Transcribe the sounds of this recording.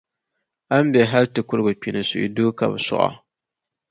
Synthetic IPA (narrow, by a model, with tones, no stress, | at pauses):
a˦m˦bɛ˨ɦa˦ltɨ˨kʊ˦ɾɡɨ˨pi˨nɨ˨sʊ̰˨ʔḭ˨du˦ka̰˨bɨ˨sʊ̰˦ʔa̰˨